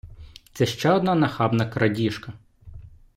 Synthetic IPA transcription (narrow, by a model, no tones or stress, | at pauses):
t̪sɛʃt͡ʃɛɔd̪nɑnɐxɑbnɐkɾɐdʲiʃkɐ